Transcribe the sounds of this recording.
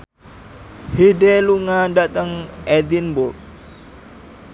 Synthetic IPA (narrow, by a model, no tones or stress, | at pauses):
hidɛluŋadat̪əŋɛdinbʊrk̚